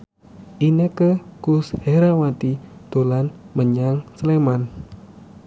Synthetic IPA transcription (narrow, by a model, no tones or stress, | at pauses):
ʔinekəkusheɾawat̪id̪̥olanməɲaŋsleman